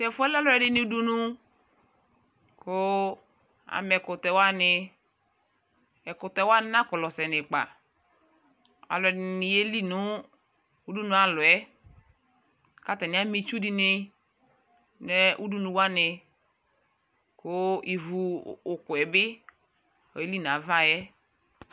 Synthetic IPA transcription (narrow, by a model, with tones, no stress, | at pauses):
sɛ˨fʊ˦ɛ˦la˦lʊ˨ɛ˨dɪ˦ni˨u˦du˦nu˦ | kʊ˦ | a̰˨mɛ˨kʊ˨tɛ˨wa˦nɪ˧ | ɛ˨kʊ˨tɛ˨˦wa˦nɪ˦na˦kɔ˨lɔ˨sɛ˨nɪ˨k͡pa̰˨ | a̰˨lʊ˨ɛ˨dɪ˨nɪ˨je˦li˦nu˨˦ | u˦du˦nu˨a˨lɔ˨ɛ˦ | ka˦tɛ˨nɪ˨˦a˦mi˨t͡ʃu˦di˦nɪ˧ | nɛ˦ʔu˦du˦nu˨wa˦nɪ˨ | kʊ˦i˨vu˨kʊ˨ɛ˨bɪ˦ | ɔ̰˨e˦li˦˨n˨a˨˦va˦jɛ˦